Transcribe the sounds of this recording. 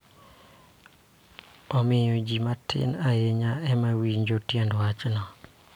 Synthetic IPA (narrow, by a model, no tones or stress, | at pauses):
ɔmɪjod͡ʒimatʰɪ̰najeɲaɛmawiɲd͡ʒotjɛndwat͡ʃnɔ